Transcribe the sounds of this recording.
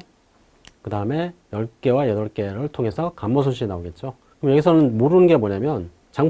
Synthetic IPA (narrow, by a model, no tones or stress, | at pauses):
kɯdaɯme̞jʌɭk͈e̞wajʌdʌɭk͈e̞ɾɯɭtʰoŋe̞sʰʌkamːʌsʰonɕʰinaoɡe̞t̚t͡ɕ͈o | kɯmjʌɡisʰʌnɯnmoɾɯnɯnɡe̞moɲamjʌn | t͡ɕaŋ